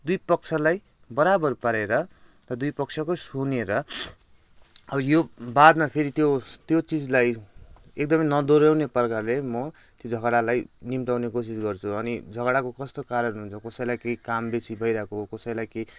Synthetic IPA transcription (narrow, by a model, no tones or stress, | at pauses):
d̪ujpʌk̚t͡sʰʌlaj | bʌɾabʌrpaɾeɾʌ | rʌd̪ujpʌk̚t͡sʰjʌkosuneɾʌ | ʌbʌjobad̪mapʰeɾit̪jot̪jot͡sid͡zlaj | ek̚d̪ʌmʌjnʌd̪oɾawneprʌkarlemʌ | t̪jod͡zʱʌɡɽalajnimʈawnekos̬isɡʌrt͡sʰuʌnid͡zʱʌɡɽakokʌst̪okaɾʌnɦunɦunt͡sʰʌkʌsʌjlajkejkambesibʱʌjɾʌɦekokʌsʌjlajkej